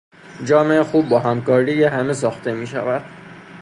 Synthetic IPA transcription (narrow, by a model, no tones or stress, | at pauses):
d͡ʒɒːme̞exuːbːɒːɦæmkɒːɾiːjeɦæme̞sɒːxt̪ʰe̞miːʃæ̰væd̪̥